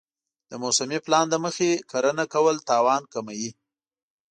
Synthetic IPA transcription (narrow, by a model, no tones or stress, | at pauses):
d̪̥əmosamiplɑnd̪əməxekʰaɾənakawəlt̪ɑwɑnkamaji